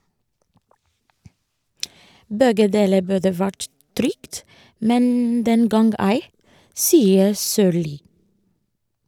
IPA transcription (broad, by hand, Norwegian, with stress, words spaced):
ˈbɛɡə ˈdeːlə ˈbʉdə ˈʋæʈ ˈtɾʏkt ˈmɛn ˈdɛŋɡɑŋɡ ˈæɪ ˈsiːəɾ ˈsøːɭiː